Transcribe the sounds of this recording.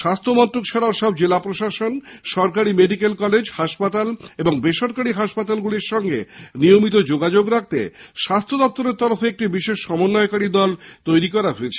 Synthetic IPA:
ʃast̪ʰomɔnt̪ːɾokʃʰaɾaoʃɔb̚d͡ʑelapɾoʃaʃonʃɔɾkaɾimeɖikelkɔled͡ʑhaʃpat̪aleboŋbeʃoɾkaɽiɦaʃpat̪alɡuliɾʃɔŋɡeniomit̪od͡ʑoɡad͡ʑoɡɾak̚t̪ḛʃast̪ʰod̪ɔp̚t̪oɾeɾt̪ɔɾofeek̚ʈibiʃeʃːɔmonːɔekaɽid̪ɔlt̪ojɾikɔɾaɦoet͡ɕʰe

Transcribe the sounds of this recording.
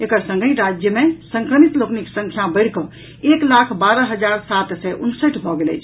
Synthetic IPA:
ekəɾsə̃ŋɡʱəiɾad͡ʒjəmẽsə̃ŋkɾəmit̪lokniksə̃ŋkʰjabəɪɽ̤kə | eklakʰbaɾəɦəd͡ʒaɾsat̪sɛʔunsəʈʰbʱɔɡelɛ̰jt͡ʃʰ

